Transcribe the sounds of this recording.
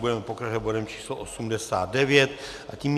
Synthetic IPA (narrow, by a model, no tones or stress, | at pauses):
budɛmɛpokɾaʒɛd̪bo̞dɛmt͡ʃiːsloʔosumdɛsa̰ːd̪̚dɛvjɛt̪ | ʔaciːm